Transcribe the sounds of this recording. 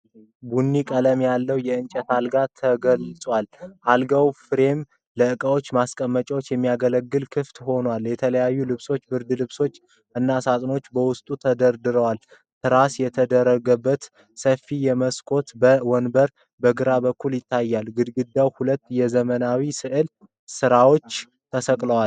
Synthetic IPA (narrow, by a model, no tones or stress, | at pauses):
bunːikʼələmjalːəwjɛɨnt͡ʃʼɛt̪alɡat̪ʰəɡəlsʼwalʔalɡawfɾe̞m | ləɨkʼəwo̞t͡ʃːmaskʼəmːət͡ʃʼwot͡ʃːjɛmːijaɡələɡːɨlkʰɨft̪ho̞nwaljɛt̪ʰələjajːulɨβso̞t͡ʃːbɨɾd̪ɨlɨβso̞t͡ʃː | ʔɨnːasat̪ʼno̞t͡ʃːbəwʊst̪ʼut̪ʰəd̪əɾd̪ɨɾəwal | t̪ʰɨɾasjɛt̪ʰəd̪əɾːəɡəbːət̪ | səfijɛməskʼo̞t̪bəwɔnbəɾ | bəɡɨɾabəkʰːuljɪt̪ʰːajːalɡɨd̪ɡɨd̪ːawhulət̪ːjɛzəmənawisɨʔɨl | sɨɾawo̞t͡ʃː | t̪ʰəsəkʼləwal